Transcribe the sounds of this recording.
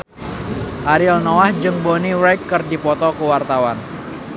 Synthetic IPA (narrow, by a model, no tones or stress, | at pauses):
ʔaɾilnɔwahd͡ʒəŋboniɾajkːɨrdipɔt̪ɔkəwart̪awan